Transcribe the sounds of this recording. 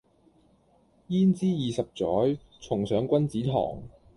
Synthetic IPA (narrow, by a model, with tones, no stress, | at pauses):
jiː˥nt͡siː˥jiː˨˩sɐ˨p̚t͡sɔː˨˥j | t͡sʰʊ˨˩ŋsœː˨˥ŋkʷɐ˥nt͡siː˨˥t̪ʰɔ̰ː˨˩ŋ